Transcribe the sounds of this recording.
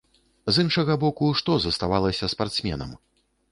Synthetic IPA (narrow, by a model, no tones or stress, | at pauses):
zɨnʂɐɣɐbɔkuʂt̪ɔzɐst̪avalˠɐsʲɐspart̪smʲɛ̰nɐ̰m